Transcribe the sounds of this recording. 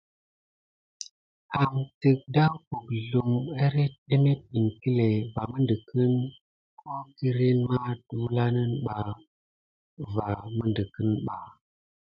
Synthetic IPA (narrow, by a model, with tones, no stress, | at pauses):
a˨mti˨k̚da˦ku˨kɮu˨ma˦ɾe˦ɗe˦me˦t̚ɗi˨ŋki˦le˨va˨mə˦ndə˨kə˦n | kʰo˦ki˦ɾe˦nma˦twu˦la˦nə˦nɓa˨ | va˨mə˦ndə˨kə˦nɓa˨